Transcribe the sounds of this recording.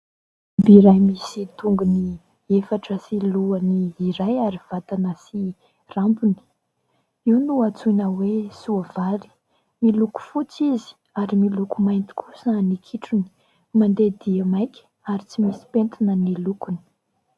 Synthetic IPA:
biɾajmisit̪uŋɡuni | efaʈ͡ʂəsiluəniːɾajaɾiv̥at̪anəsi | rampuni̥ | iwnuat͡sujnəwesuavali̥ | miluku̥fut͡sizi̥ | aɾimilukumajnt̪i̥kʰusənikʰiʈ͡ʂuni̥ | mand̪ed̪iamajkʲə̥ | aɾit͡simisi̥pent̪inənilukuni̥

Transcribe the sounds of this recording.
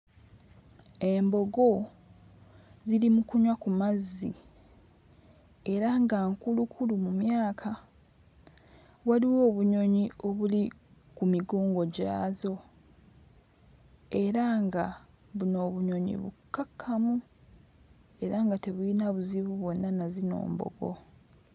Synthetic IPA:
e̞mbo̞ɡo̞ | zilimukuɲwakumazːi | e̞ɾaŋɡaŋkulukʰulumumjaːkʰa | βwaliwo̞ːβuɲo̞ɲio̞βuli | kumiɡoːŋɡo̞ɟa̰ːzo̞ | e̞ɾaŋɡa | βuno̞ːβuɲo̞ɲḭβṵkːakʰːamu | e̞ɾaŋɡate̞βuinaβuziβuβwo̞nːanazino̞̰ːmbo̞̰ɡo̞̰

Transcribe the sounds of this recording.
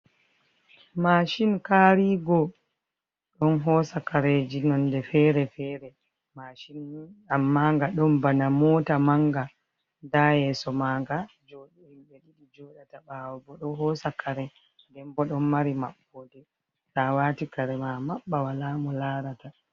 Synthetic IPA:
maːʃinkaːɾiːɡɔ | ɗɔnɦɔːsakaɾed͡ʒinɔndɛfɛɾɛfɛɾɛ | maʃinːamːaŋɡaɗɔmbanamɔːtamaŋɡa | dajɛsɔmaːŋɡa | d͡ʒoɗɛimɓɛɗiɗid͡ʒɔɗataɓawɔbɔɗɔɦɔsakʰaɾɛ | dɛmbɔɗɔnmaɾimaɓːɔdɛ | tawaːtikaɾɛmamaɓːawalaːmɔlaːɾata

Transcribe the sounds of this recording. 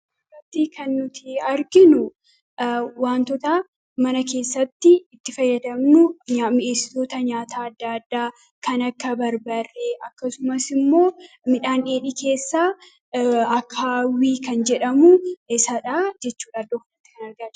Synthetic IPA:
rɐt̪ːɪkɐnːʊt̪ɪɐɾɡɪnʊ | waːnt̪ɔt̪aː | mɐnɐke̞ːsːɐt̪ːɪːt̪ːɪfɐjːɐd̪ɐmnʊɲamɪʔeːsːɪ̥t̪o̞ːt̪ɐɲaːt̪aːɐd̪ːaːɐd̪ːaː | kɐnɐkːɐbɐɾbɐrːɛʔɐkːɐsʊmɐsɪmːo̞ː | mɪᶑaːneːᶑiːkʰe̞ːsːaː | ɐkʰːaːwiːkɐnd͡ʒɛᶑɐmʊsɐᶑaːd͡ʒɛt͡ʃːuːᶑaːd̪oknɐt̪ːɪ̥kɐnɐɾɡa

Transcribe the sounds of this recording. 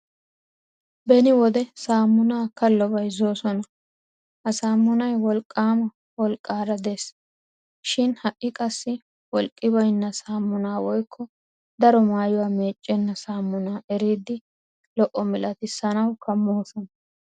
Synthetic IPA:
bɛnɪwɔd̪ɛsaːmːʊnaːkɐlːɔbɐjzo̞ːsɔnɐ | hɐsaːmːʊnɐjwɔlkʼːaːmɐ | wɔlkʼːaːɾɐd̪es | ʃɪnhɐʔːɪkʼɐsːɪ | wɔlkʼːɪbɐjnːɐsaːmːʊnaːwɔjkʰːɔ | d̪ɐɾɔmaːjʊwaːmeːt͡ʃʼːɛnːɐsaːmːʊnaːʔɛɾiːd̪ɪ | lɔʔɔmɪlʔɐt̪ɪsːɐnɐwkʰɐmːoːsɔnɐ

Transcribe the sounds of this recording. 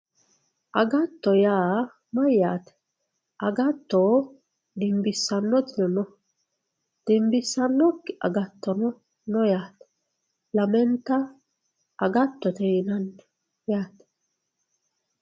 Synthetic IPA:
ʔɐɡɐt̪ːɔjaː | mɐjːaːt̪ɛ̥ | ʔɐɡɐt̪ːoː | d̪ɪmbɪsːɐnːɔt̪ɪnɔnɔ | d̪̥ɪmbɪsːɐnːɔkːɪʔɐ̰ɡɐt̪ːɔnɔ | nɔjaːt̪ɛ̥ | lɐmɛnt̪ːɐ | ɐɡɐt̪ːɔt̪ɛnɐnː | jaːt̪ɛ̥

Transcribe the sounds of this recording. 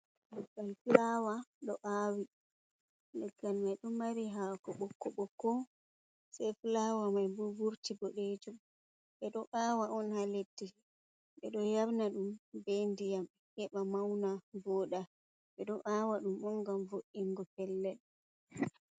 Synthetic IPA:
lɛɡalfilawaɗɔʔawi | lɛɡːalmajɗɔmaɾiɦakɔɓɔkːɔɓɔkɔ | sɛjfilawamajbubuɾtiɡɔɗed͡ʒum | ɓɛɗɔʔaːwaʔɔnhaletːi | ɓɛɗɔjawnaɗumbendijam | hɛɓamawnabɔːɗa | ɓɛɗɔʔawaɗumɔŋɡamvoʔiŋɡɔkɛlːɛɗ

